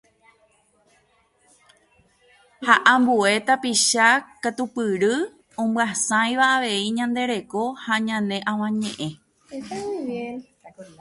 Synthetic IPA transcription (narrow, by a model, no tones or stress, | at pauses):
haʔãmbue̞t̪apiʃakat̪upɨɾɨ | õmbwasãj̃ʋaːʋe̞iɲãnd̪e̞ɾe̞ko̞haɲãnẽ̞ʔãw̃ãɲḛ̃ʔẽ̞